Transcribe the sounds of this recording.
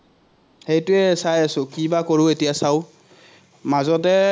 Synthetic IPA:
hejtʊɛsajasʊ̃kibakoɹʊetijasaʊ | mazɔtɛ

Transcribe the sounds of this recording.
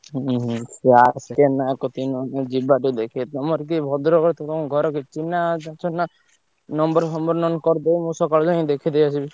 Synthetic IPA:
ɦseaɾst̪anakɔt̪inɔnad͡ʒibaʈid̪ekʰit̪ɔmɔɾk̬ibʱɔd̪ɾɔkɔɾt̪ɔt̪ɔkɔɡʱɔɾɔkit͡ʃinad͡ʒat͡ʃʰɔnna | nɔmbɔɾsɔmbɔɾnɔnkɔɾd̪ejmũsɔkɔɭd͡ʒɔĩd̪ekʰid̪ejat͡ʃʰibi

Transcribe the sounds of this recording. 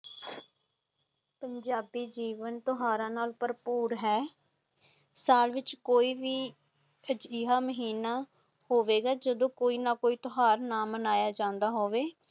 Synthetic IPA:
pəɲd͡ʒaːbiːd͡ʒiːʋənt̪oɦaːɾãːnaːlpəɾpuːɾɦɛː | saːlʋɪt͡ʃkoːiːʋiː | əd͡ʒɪːɦaːməɦiːnaː | hoːʋeːɡaːd͡ʒəd̪õːkoːiːnaːkoːiːt̪oɦaːɾnaːmənaːjaːd͡ʒãːnd̪aːɦoːʋeː

